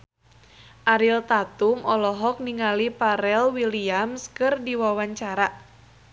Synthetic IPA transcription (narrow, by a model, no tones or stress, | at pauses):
ʔaɾilt̪at̪umʔɔlɔɦɔk̚niŋalipaɾɛlwiliamskɨrdiwawaɲt͡ʃaɾa